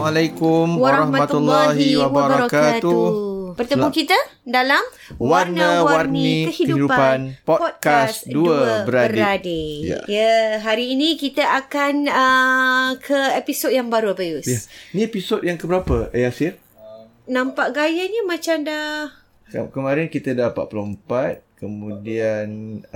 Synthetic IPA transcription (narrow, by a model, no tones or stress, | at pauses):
alajkʊmwaɾɾhmaat̪ulːɔɦiwabwaɾbaɾɔkat̪uupərt̪əmukit̪ədalam | warnəwawarniikəhiəuidupapanpɔpɔd̚kasduəbəɾadɾadeja̰jəɦaɾiːnĩkit̪aʔakanə | kʰəepisod̚jaŋbaɾuabajusjainiepisod̚jaŋkəbəɾapəəjasir | nãmpaʔɡajəɲəmãt͡ʃamdah | ə̰kəmaɾɛnkit̪ədapa̰ʔ̚pəlompat̪̚kəmũdian